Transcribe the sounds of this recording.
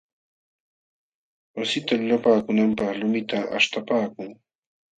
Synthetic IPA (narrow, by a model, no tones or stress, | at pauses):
wasɪt̪alʊlapaːkʊnampɑχlʊmɪt̪aʔa̰ʃt̪apaːkʊŋ